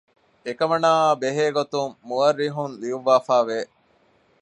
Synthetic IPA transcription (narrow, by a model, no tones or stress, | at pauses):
ekɐmɐnaːbeɦeːɡot̪umːuɐɾːiɦunliuʋaːfæːʋeː